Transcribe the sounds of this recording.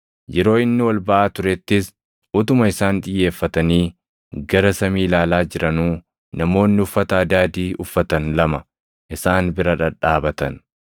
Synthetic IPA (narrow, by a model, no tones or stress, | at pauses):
jɛɾo̞ːɪnːɪwɐlbɐʔaːt̪ʊɾɛt̪ːɪs | ʔʊt̪ʊmɐɪsaːnᶑ̪ʼɪjːe̞ːfːɐt̪ɐniː | ɡɐɾɐsɐmiːlaːlaːd͡ʒɪɾɐnuː | nɐmo̞ːnːɪʊfːɐt̪ɐːd̪aːd̪iːʔʊfːɐt̪ɐnlɐmɐ | ʔɪsaːnbɪɾɐᶑɐᶑaːbɐt̪ɐn